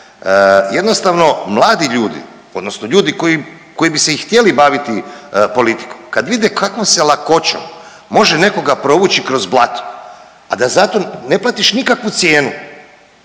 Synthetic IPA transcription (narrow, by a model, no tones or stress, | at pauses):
jed̪nost̪aʋno̞mlˠaːd̪iʎuːd̪ḭ | o̞d̪no̞snoʎuːd̪ikoi | ko̞jibise̞ixt̪je̞libaʋit̪ipo̞lit̪i̥komkad̪ʋid̪ekʰakʋo̞mselako̞t͡ɕo̰m | mo̞ʒene̞ko̞ɡapɾo̞ʋut͡ɕikɾo̞zblˠat̪o̥ | ad̪azat̪o̞ne̞plat̪iʃnikakʋut̪sjeːnu